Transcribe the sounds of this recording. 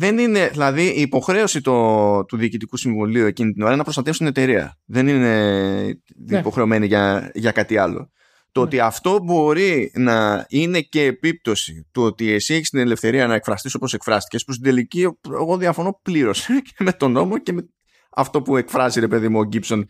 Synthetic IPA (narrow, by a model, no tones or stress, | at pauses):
ðe̞nine̞ðilɐðiʔiːpo̞xɾe̞o̞sit̪ot̪uðiːcit̪ikusiɱvoliue̞cinit̪ino̞ɾɐnɐpɾosɐt̪e̞fst̪ine̞t̪e̞ɾiɐ̰ðe̞nine̞ | po̞xɾe̞o̞me̞niʝɐʝɐkɐt̪iɐlo̞̰ | t̪oot̪iɐft̪o̞bo̞ɾinɐine̞ce̞ːpip̚t̪o̞sit̪uo̞t̪ie̞sieçist̪ine̞le̞fθe̞ɾiɐnɐekfɾɐst̪iso̞po̞se̞kfɾɐst̪i̥ce̞spust̪id̪e̞licie̞ɣo̞ðiɐfo̞no̞pliɾo̞seceme̞t̪o̞no̞moce̞me | ɐ̰ft̪o̞pue̞kfɾɐziɾe̞pe̞ðimuoɟipso̞n